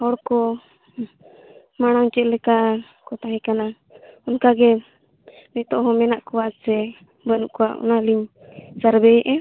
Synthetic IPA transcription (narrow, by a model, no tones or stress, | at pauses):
hɔɽkɔ | maɽ̃aŋt͡ʃɛt̪̚lɛka | kɔt̪aɦɛ̃kana | ɔnkaɡɛ | nit̪ɔʔɦɔ̃mɛnaʔkɔwasɛ | bənuʔkɔaʔɔ̰naliɲ | saɾbɛjɛʔɛ